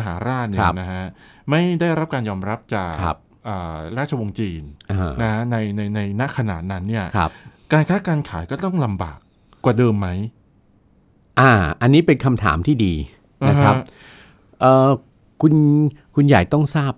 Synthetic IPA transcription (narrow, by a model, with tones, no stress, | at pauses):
a˧ɦaː˩˦ɾaː˥˩t̪̚nia˦˩˦na˦˥kʰa˦˥ma˥˩jda˥˩jɾa˦˥p̚kaː˧njɔː˧mɾa˦˥p̚t͡ɕaː˨˩k̚ʰa̰˦˥p̚ʔɤː˨˩ɾaː˥˩t̪̚t͡ɕʰa˧wo˧ŋt͡ɕiː˧nʔa˧˩na˦˥kʰa˦˥na˧jna˧jna˧jna˦˥kʰa˧na̰ː˨˩t̪̚na˦˥nːi˥˩ɐkʰp̚kaː˧nkʰaː˦˥kaː˧nkʰaː˩˦jkɔː˥˩t̪ɔ˥˩ŋla˧mba̰ː˨˩k̚ː | waː˨˩dɤː˧mːa˦˥j | ʔaː˧˩ʔa˧nːiː˦˥pe˧nkʰa˧mt̪ʰa̰ː˩˦mt̪ʰiː˥˩diː˧ | na˦kʰɾa˦˥p | ʔəː˨˩ | kʰu˧nkʰu˧njaː˨˩k̚t̪ɔ˥˩ŋsaː˥˩p̚